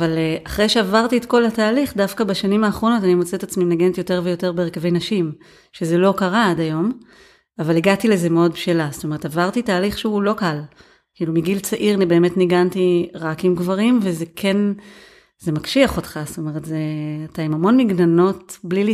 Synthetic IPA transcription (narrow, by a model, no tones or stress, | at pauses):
valʔaχʁejʃeavaʁtietko̞lataːliχdafkabaʃanimaːχʁo̞no̞tanimot͡seetat͡smimneɡenetjo̞te̞ʁve̞jo̞teʁbeʁkavejnaʃim | ʃe̞zelo̞kaʁaadajo̞m | avaliɡatilezemeo̞d̚bʃelast̪o̞me̞ʁetavaʁtitaːliχʃeulo̞kal | kiːlumiɡilt͡saʔiʁanibe̞ːme̞tniɡantiʁakimɡvaʁimve̞zekʰe̞n | ze̞makʃiaχo̞tχasto̞me̞ʁetzeat̪aimamo̞nmiɡnano̞tblili